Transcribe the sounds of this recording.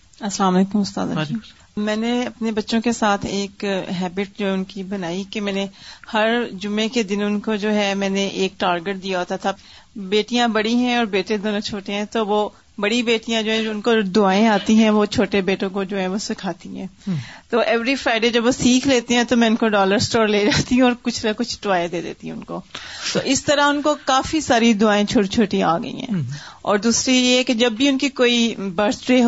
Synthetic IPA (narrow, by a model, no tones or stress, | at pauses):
ɐslaːmɔleːkʊmʊst̪a̰ːd̪a̰ | mɛ̃ːneɐpnebɐtːʃõkesaːt̪ʰeːkɦɛːbɪʈ̚d͡ʒoːɦɛʊnkibɐnaːikemɛ̃ːnehɐɾd͡ʒʊmːẽked̪ɪnʊnkod͡ʒoːɦɛmɛ̃ːneʔeːk̚ʈaːɾɡeʈ̚d̪ijaɦoːt̪at̪ʰa | beːʈijãbɐɽiɦɛ̃ɔːɾbeːʈẽd̪oːnõt͡ʃʰoːʈeɦɛ̃t̪oʋo | bɐɽibeːʈijãd͡ʒoːɦɛ̃d͡ʒoʊnkod̪ʊaːẽaːt̪iɦɛ̃ʋot͡ʃʰoːʈebeːʈõkod͡ʒoːɦɛ̃ʋosɪkʰaːt̪iɦɛ̰̃ːt̪oːʔɛːʋɾifɾaːɪɖeːd͡ʒɐbʋosiːkʰleːt̪eɦɛ̃t̪omɛ̃ʊnkoɖɔːləɾsʈɔːɾleːd͡ʒaːt̪iɦũɔːɾkʊt͡ʃʰlakʊt͡ʃʰʈʊʋaːjed̪eːd̪ḛːt̪iɦɛ̃ʊnko̰ːt̪oʔɪst̪ɐɾaɦʊnkokaːfisaːɾid̪ʊaːẽt͡ʃʰoːʈit͡ʃʰoːʈia̰ːɡɐ̰ḭɦɛ̰̃ːɔ̰ːɾd̪uːsɾijeɦɛked͡ʒɐbːiʊnkikoːibɐɾt̪ʈɾeːɦ